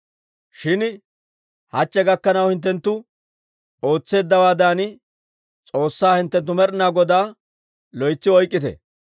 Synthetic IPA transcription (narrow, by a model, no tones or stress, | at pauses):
ʃɪn | hɐt͡ʃːɛɡɐkːɐnɐwhɪnt̪̬ːɛnt̪ːʊ | o̞ːt͡sːe̞ːd̪ːɐwaːd̪aːn | t͡sʼo̞ːsːaːhɪnt̪ːɛnt̪̬ːʊmɛɾnaːɡɔd̪aː | lɔjt͡sːɪɔjkʼːɪt̪ɛ̰